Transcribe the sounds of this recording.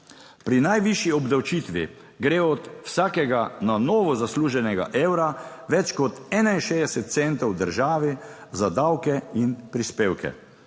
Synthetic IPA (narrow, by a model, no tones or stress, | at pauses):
pɾinajʋiʃjiɔbd̪awt͡ʃiːt̪ʋḭ | ɡɾeːɔt̪wsaːkɛɡananɔːʋɔzasluːʒɛnɛɡa̰ʔeːwɾaʋɛt͡ʃkɔt̪ɛːnainʃeːd̪ɛsɛt̪̚t̪sɛnt̪ɔwd̪əɾʒaːʋi | zad̪awkɛinpɾispeːwkɛ̰